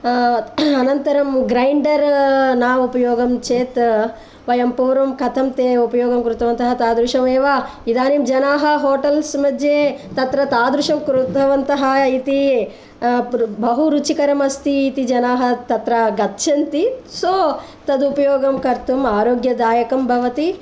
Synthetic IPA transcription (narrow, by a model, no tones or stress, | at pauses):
ɐnɐnt̪ɐɾɐmɡɾɐjɳɖɐɾnaːʋupɐjoːɡɐmt͡ʃeːt̪ | ʋɐjɐmpuːɾʋɐmkɐt̪ʰɐmt̪eːupɐjoːɡɐmkɾut̪ʰɐʋɐnt̪ɐɦɐt̪aːd̪ɾuʂɐmeːʋa | id̪aːnimd͡ʒɐnaːɦɐɦoːʈɐlsmɐd͡ʒeːt̪ɐt̪ɾɐt̪aːd̪ɾuʂɐmkɾut̪ɐʋɐnt̪ɐɦɐit̪i | bɐɦuɾut͡ʃikɐɾɐmɐst̪iːt̪id͡ʒɐnaːɦɐt̪ɐt̪ɾɐɡɐt̪ːʃɐnt̪isoː | t̪ɐd̪upɐjoːɡɐmkɐɾt̪umaːɾoːɡjɐd̪aːjɐkɐmbʱɐʋɐt̪i